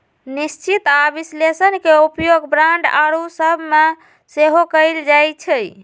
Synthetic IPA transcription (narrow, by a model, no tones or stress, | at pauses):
nist͡ʃit̪abislesənkeupjoɡbɾaɳɖa̰ɾusəbʱme | seɦokəjld͡ʒajt͡ʃʰəj